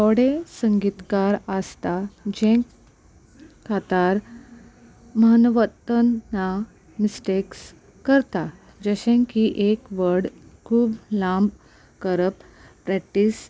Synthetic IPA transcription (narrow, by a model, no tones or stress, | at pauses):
t̪ɔɽesəŋɡit̪kaɾəst̪ad͡ʑẽk | kʰːat̪aɾ | məɦənʋət̪ənːa | misʈeks | kəɾt̪a | d͡ʑəɕẽŋkiʔekʋəɾɽkʰuːblãmb | kəɾəp | pɾɛk̚ʈiːs